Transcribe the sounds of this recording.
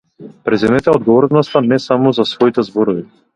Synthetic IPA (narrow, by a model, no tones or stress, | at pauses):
pɾɛzɛmɛt̪ɛɔd̪ɡɔvɔɾnɔst̪anɛsamɔzasvɔit̪ɛzbɔɾɔvi